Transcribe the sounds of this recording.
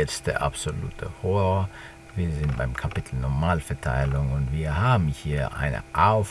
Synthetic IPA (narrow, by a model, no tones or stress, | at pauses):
ɛt͡std̥ḛɐʔa̰pz̥olṵːtʰə̰hɔʁɔːɐ | viːɐzɪntb̥aɪmkʰapɪtʰl̩nɔɐmaːlfɛɐtʰa̰ɪlʊŋʊntv̥iːɐhaːbm̩hiːɐʔa̰ɪnə̰ʔaʊf